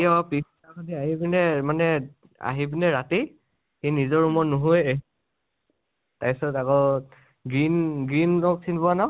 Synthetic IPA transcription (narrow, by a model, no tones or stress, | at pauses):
iɔpis | akɔdiaɦibinɛmanɛ | a̰ɦibinɛɹati | kenizɔɹumɔnuɦuee | tajsɔtakɔ | ɡinɡɹinɔksinbɔanɔ